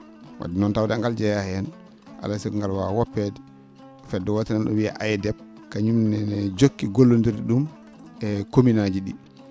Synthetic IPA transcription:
wa̰dinɔntawdaŋɡald͡ʒɛjahɛɛn | ʔa̰lasɛŋɡalwawɔpːɛdi | fɛdːɔwɔtinanɗɔ̰wia̰ʔajɛdɛb̚ | kaɲumnɛnɛd͡ʒokːiɡolːondiɾdiɗum | ɛkominad͡ʒiɗi

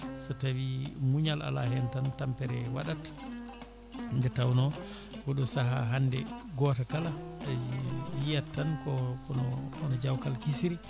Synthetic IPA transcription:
sɔtawimuɲala̰la̰ɦɛntantampɛɾɛwa̰ɗat | ndɛtawnɔ | ɡɔɗɔsaɦa̰ɦandɛɡɔːtakala | jijatːankɔkɔnɔɔnɔd͡ʒawkalkisiɾi

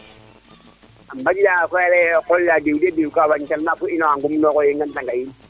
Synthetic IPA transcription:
am̩bad͡ʒiakwɛlɛkɔlladewudiadewukabaɲkalmakʊɪnɔaŋɡʊmnɔkɔjeŋɡantaŋɡain

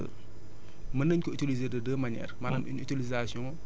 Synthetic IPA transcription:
ə̰ | mənəɲkɔitilizeːdədəmɐɲɛ̰ːɾmaːnɐmʔḭnytilizasjɔ̃ŋ

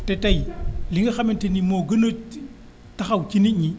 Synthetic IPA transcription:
tetajliŋɡɐxamentenimoɡɐno | taxawkiniɲi

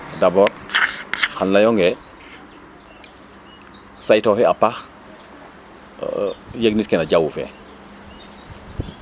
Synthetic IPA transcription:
dabɔːɾ | hanlajɔŋɡɛ | sajtɔhɛapax | jeɡnitkɛnaɟawufɛ̰

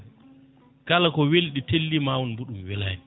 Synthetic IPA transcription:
kalakɔwelɗitelːimaːwɔnbuɗumwɛlajɛn

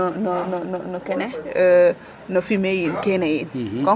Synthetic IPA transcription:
nɔnɔnɔnɔkɛnɛ | nofimejinkenɛjinkkɔ

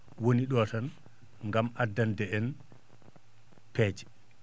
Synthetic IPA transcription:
woniɗɔːtan | ŋɡamʔadːandɛɛn | pɛːd͡ʒɛ̥

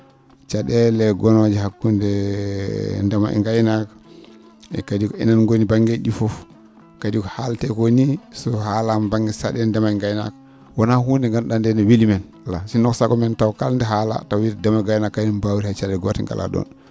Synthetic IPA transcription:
t͡ʃaɗɛlɛɡɔnɔd͡ʒɛɦakːundɛ | ndɛma̰ʔɛ̰ŋɡajnak | ɛ̰kadikɔɛ̰nanŋɡonibaŋɡeɗifɔf | kadikɔhaltɛkonisɔhalambaŋɡɛsaɗɛndɛmaɛŋɡajna̰k | wanahundɛŋɡanɗandɛnɛwilimɛn | lasinɔksaɡɔmɛntawkalndɛɦala̰tawwiɾdɛmaɡajnakːajnanbawiɾhat͡ʃaɗɛɡɔtɛŋɡa̰lʔa̰ɗɔ̰n

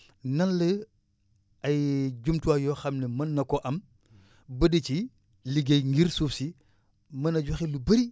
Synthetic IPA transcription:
nɐnlə | ɐjɟumtuwajɔxɐmnemɐnːɐkɔʔɐm | bədit͡ʃi | liɡejŋɡiɾsufsi | mɐnɐɟɐxilubɐɾi

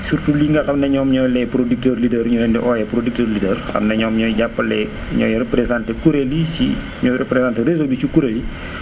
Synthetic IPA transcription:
surtuliːŋɡɐxɐmnɛɲɔːmɲɔːjlɛpɾodik̚təɾlidɛɾɲuɾɛndiʔɔːjɛpɾodik̚təːrlidɛrxɐ̰mnɐɲɔːmɲɔːjɟapːɐlɛ | ɲɔ̰ːjɾɛpɾesantɛkuɾelit͡ʃḭ | ɲɔːjɾɛpɾesaːntɛɾezolit͡ʃukuɾeli

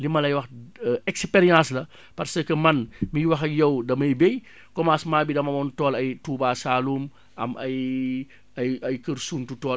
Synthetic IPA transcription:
limɐlɐjwɐxɛkspeɾijãslɐ | pɐrsəkəmɐnmiwɐxɐjɐwdɐmɐjbej | kɔmaːsmaːbidɐmɐmɔntɔːlɐjtuːbaːsaːluːm | ʔɐmɐj | ɐjɐjkərsuːntutɔː

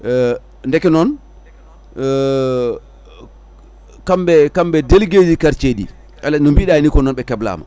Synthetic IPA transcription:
ndɛkɛnɔn | kambɛkambɛdelɡeːd͡ʒikaɾt͡ʃedḭ | ʔɛlːanɔmbiɗajinikɔnɔnɓɛkɛbla̰ma̰

